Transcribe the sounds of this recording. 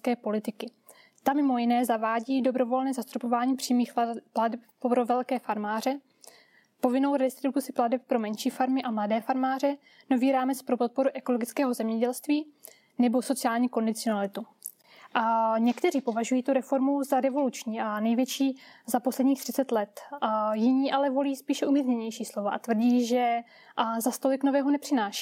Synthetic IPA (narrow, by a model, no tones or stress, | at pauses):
skɛːpo̞lɪt̪ɪkɪ | t̪amɪmo̞jɪnɛːzavaːɟiːdo̞bɾo̞vo̞lnɛːzast̪ɾopo̞vaːɲiːpr̥iːmiːxpladɛp | ɾovɛlkɛːfaɾmaːrɛ | po̞vɪno̞wɾɛst̪ɾɪt̪ut̪ut͡sɪpladɛp̚pɾo̞mɛnʃiːfaɾmɪʔamladɛːfaɾmaːrɛ | no̞viːɾaːmɛt͡spɾopo̞t̪̚po̞ɾuʔɛko̞loɡɪt͡skɛːɦo̞zɛmɲɛɟɛlst̪viː | nɛbo̞so̞t͡sɪaːlɲiːko̞ndɪt͡sɪonalɪt̪u | ʔaɲɛkt̪ɛriːpo̞vaʒujiːt̪uɾɛfo̞ɾmuzaɾɛvo̞lut͡ʃɲiːʔanɛjvjɛt͡ʃiːzaposlɛdɲiːxt̪r̥ɪ̥t͡sɛt̪lɛt̪jɪɲiːʔalɛvo̞liːspiːʃɛʔumizɲɛɲɛjʃiːslo̞vaʔat̪vr̩ɟiːʒɛ | zast̪o̞lɪkno̞vɛːɦo̞nɛpr̥ɪnaːʃi̥ː